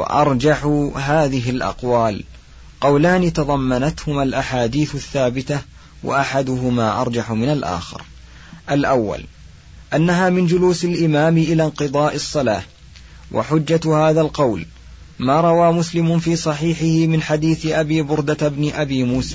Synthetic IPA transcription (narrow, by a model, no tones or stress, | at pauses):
w̰ʔɑɾˤd͡ʒaħʊɦaːðɪɦɪlʔɑ̰qwaːl | qɑwlaːnɪt̪ɑðˤɑmːanat̪hʊmalʔaħaːd̪iːθaθːaːbɪt̪a | wa̰ʔaħad̪ʊɦʊmaːʔɑ̰ɾˤd͡ʒɑħʊmɪnalʔa̰ːxɪ̰ɾ | ʔalʔawːa̰l | ʔanːaɦaːmɪnd͡ʒʊluːsalʔɪmaːmʔɪlaːnqɨðˤɑːʔɨsˤːɑlaːh | wʔa̰ħʊd͡ʒːahaːðalqɑwl | maːɾˤɑwaːmʊslɪmʊfiːsˤɑħiːħɪhɪmɪnħad̪iːθɪʔabiːbʊɾd̪at̪bnɪʔabiːmuːsaː